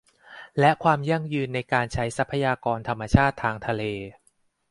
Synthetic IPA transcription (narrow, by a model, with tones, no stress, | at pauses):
lɛ˦˥kʰwaː˧mja˧˥˩ŋjɯː˧nːa˧jkaː˧nt͡ɕʰa˦˥jsa˦˥pʰːa˧jaː˧kɔː˧nt̪ʰa˧mːa˧t͡ɕʰaː˥˩t̪ʰːaː˧ŋt̪ʰa˧leː˧